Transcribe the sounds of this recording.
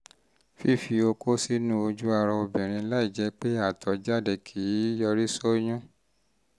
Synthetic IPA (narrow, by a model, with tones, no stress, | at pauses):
fi˦˨fi˧o˧ko˦si˦nũ˦o˧d͡ʒu˦a˧ɾɔ˧o˧bĩ˨ɾ̃ĩ˧la˦i˦˨d͡ʒɛ˨˧˦k͡pe˦a˦˨tʰɔ˨d͡ʒa˦˨de˧˨kʰi˨˦jɔ˧ɾi˦so˦jũ˦